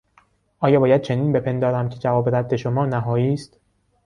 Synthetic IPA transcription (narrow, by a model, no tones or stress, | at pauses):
ʔɒːjɒːbɒːjæd̪̥̚t͡ʃʰe̞niːnbe̞pʰe̞nd̪ɒːɾæmcʰe̞d͡ʒævɒːbeɾæd̪ːe̞ʃomɒːnæɦɒːjiːst̪